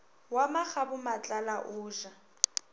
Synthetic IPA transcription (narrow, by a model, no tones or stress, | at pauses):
wamak͡xabʊmat͡ɬʼalaʔʊːʒa